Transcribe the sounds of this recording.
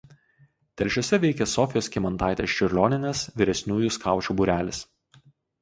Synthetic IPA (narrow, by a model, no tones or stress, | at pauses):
t̪ʲɛlʲʃʲoːsʲɛʋʲɛɪkʲɛsɔfʲɪjoːskʲɪmɐnt̪ɑˑɪt̪ʲeːst͡ʃʲʊɾʲlʲoːnʲɪnʲeːsʋʲɪɾʲɛsʲnʲuːjuskɑˑʊt͡ʃʲuːbuɾʲæːlʲɪs